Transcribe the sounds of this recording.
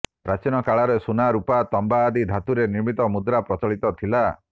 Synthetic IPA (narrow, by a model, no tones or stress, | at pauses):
ɾat͡ʃinɔkaɭaɾesunaɾupat̪ɔmbaːd̪id̪ʱat̪uɾeniɾmit̪ɔmud̪ɾapɾɔt͡ʃɔɭit̪ɔt̪ʰila